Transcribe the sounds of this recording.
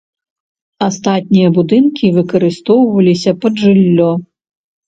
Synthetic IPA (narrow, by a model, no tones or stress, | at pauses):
ast̪at̪̚ʲnʲijɐbud̪ɨnkʲivɨkɐɾɨst̪ɔwvɐlʲisʲɐpɐdʐɨlʲːɔ